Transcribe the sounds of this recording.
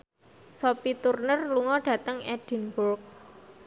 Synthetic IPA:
sopit̪urnərluŋɔɖ̥ä̤t̪əŋɛd̥i̤nburk̚

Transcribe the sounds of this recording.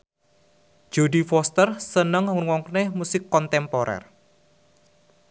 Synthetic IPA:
d͡ʒ̥odifɔst̪ərsənəŋwɔŋkənehmusɪkːɔnt̪ɛmpɔɾɛ̰r

